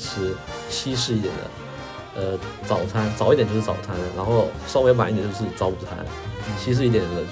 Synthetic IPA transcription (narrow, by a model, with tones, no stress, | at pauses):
ʈ͡ʂ̩ʰ˧˥ | t͡ɕʰi˥ʂ̬ɻ̩˥˧˥t̪jɛ̰˨˩nd̪ə̰˦ | ə˧t͡sɑ˨˩ʊ˧t͡sʰa˥nt͡sɑ˨˩ʊi˥jɛ˨˩t͡ɕjʂ̩˥t͡sɑ̰˨˩ʊt͡sʰa˥nɻa˧˥nxo˥˩ʊʂɑ˥ʊwe˧˥ɪwa˨˧˦t̪̬jo˥˧ʊʂ̩˥˩t͡sɑ˥ʊpu˧˩t͡sʰa̰˥nt͡ɕʰi˥ʂ̬ɻ̩˥˧i˥˩jɛ˨˩n˧˥˩